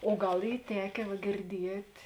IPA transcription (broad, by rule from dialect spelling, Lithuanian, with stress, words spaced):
oː ˈɡɐlˠ ˈiː ˈtʲæːkʲeː ʋɐ ɡʲɪrʲˈdʲiɛtʲ